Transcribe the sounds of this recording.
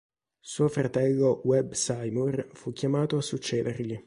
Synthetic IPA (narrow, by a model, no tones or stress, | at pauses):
suːofɾat̪ɛlːowɛbsajmurfukʲːjamaːt̪oasut͡ʃːeːd̪erʎi